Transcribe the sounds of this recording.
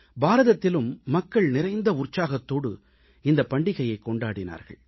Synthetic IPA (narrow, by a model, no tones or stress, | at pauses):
baːɾɐðɐt̪ːɪlɯmːɐkːɐɭnɪɾɐɪnd̪ɐʊrt͡ʃːaːɣɐt̪ːoːɽɯ̰ | ɪnd̪ɐpɐɳɖɪɣɐjɐɪkːɔɳɖaːɽɪna̰ːɾɣɐ̰ɭ